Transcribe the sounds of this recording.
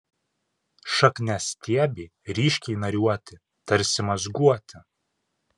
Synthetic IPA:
ʃɐknʲɛsʲt̪ʲiɛbʲiːɾʲiːʃʲkʲɛɪnɐɾʲuɔt̪ʲɪ | t̪ɐɾʲsʲɪmɐzɡuɔt̪ʲɪ

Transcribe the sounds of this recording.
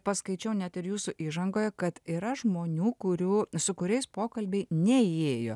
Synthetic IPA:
pɐskɐɪt͡ʃʲɛʊnʲɛt̪ɪɾjuːsʊʔiːʒɐŋɡoːjɛkɐt̪iːɾɐʒmoːnʲuːkʊɾʲuːsʊkʊɾʲɛɪspoːkɐlʲbʲɛɪnʲɛeːjo̰ː

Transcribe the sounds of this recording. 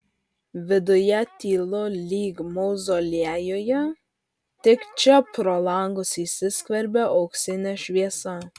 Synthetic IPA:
ʋʲɪd̪ʊjɛt̪ʲiːlˠolʲiːɡmoʊzoːlʲiæjojɛ | t̪ʲɪkt͡ʃʲɛpɾɔlˠɑŋɡʊsisʲɪskʋʲɛɾʲbʲɛʔɔksʲɪnʲɛʃʲʋʲiɛsɐ

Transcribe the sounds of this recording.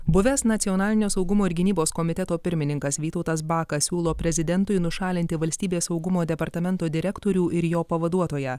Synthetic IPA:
bʊʋʲɛsnɐt̪sʲiɔnɑːlʲɪnʲoːsɒʊɡʊmoːɪɾɡʲɪnʲiːboːskɔmʲɪt̪ʲɛt̪oːpʲɪɾʲmʲɪnʲɪŋkɐsʋʲiːt̪ɔʊt̪ɐs̬bɑːkɐssʲuːlˠoːpʲɾʲɛzʲɪd̪ʲɛnt̪ʊɪnʊʃɑːlʲɪnʲt̪ʲɪʋɐlʲsʲt̪ʲiːbʲeːsɐʊɡʊmoːd̪ʲɛpɐɾt̪ɐmʲɛnt̪oːd̪ʲɪɾʲɛkt̪oːɾʲuːʔɪɾjoːpɐʋɐd̪uɔt̪oːjɛ

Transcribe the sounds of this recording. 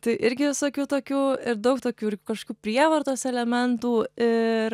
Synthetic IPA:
t̪ɐɪʔɪɾʲɡʲɪʋʲɪsoːkʲuːt̪oːkʲuːɪɾd̪ɐʊkt̪oːkʲuːɪɾkɐʃkoːkʲuːpʲɾʲiɛʋɐrt̪oːsɛlʲɛmʲɛnt̪uːɪɾ

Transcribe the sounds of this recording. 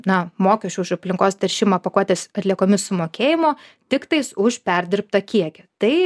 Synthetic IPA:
nɐmoːkʲɛt͡ʃʲʊːʊʃɐpʲlʲɪŋkoːst̪ʲɛɾʲʃʲɪmɐːpɐkuɔt̪ʲeːsɐt̪ʲlʲiɛkoːmʲɪssʊmoːkʲeːjɪmoːt̪ʲɪkt̪ɐɪsʊʃpʲɛɾʲd̪ʲɪɾp̚t̪ɐkʲiɛkʲɛt̪ɐɪ

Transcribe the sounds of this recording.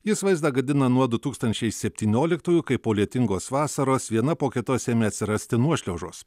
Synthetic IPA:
jɪsʋɐɪzd̪ɑɡɐd̪ʲɪnɐnuɔd̪ʊt̪uːkst̪ɐnʲt͡ʃʲɛɪsʲɛpʲt̪ʲiːnʲoːlʲɪkt̪uːjʊkɐɪpoːlʲiɛt̪ʲɪŋɡoːsʋɑːsɐɾoːsʋʲiɛnɐpoːkʲɪt̪oːsʲeːmʲeɐt̪ʲsʲɪɾɐsʲt̪ʲɪnuɔʃʲlʲɛːʒoːs

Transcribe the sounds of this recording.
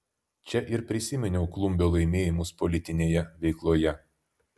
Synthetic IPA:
t͡ʃʲɛʔɪɾpʲɾʲɪsʲɪmʲɛnʲɛʊklˠʊmʲbʲoːlˠɐɪmʲeːjɪmʊspɔlʲɪt̪ʲɪnʲeːjɛʋʲɛɪklˠoːjɛ

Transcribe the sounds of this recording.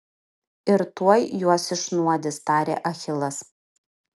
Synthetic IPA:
ɪɾt̪uɔjjuɔsɪʃnuɔd̪ʲɪst̪ɑːɾʲḛːʔɐxʲɪlˠɐs

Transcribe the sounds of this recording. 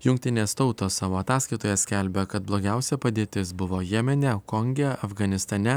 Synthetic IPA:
jʊŋk̚ʲt̪ʲɪnʲeːst̪ɒʊt̪oːssɑːʋoːɐt̪ɑːskɐɪt̪oːjɛsʲkʲɛlʲbʲɛkɐt̪̚blˠoːɡʲæˑʊsʲɛpɐd̪ʲeːt̪ʲɪsbʊʋoːjɛmʲɛnʲɛkɔŋʲɡʲɛɐfɡɐnʲɪst̪ɐnʲɛ

